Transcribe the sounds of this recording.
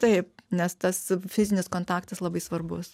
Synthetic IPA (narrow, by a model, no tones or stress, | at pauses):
t̪ɐɪp̚nʲɛst̪ɐsfʲɪzʲɪnʲɪskoːnt̪ɑːkt̪ɐslˠɐbɐɪsʋɐrbʊs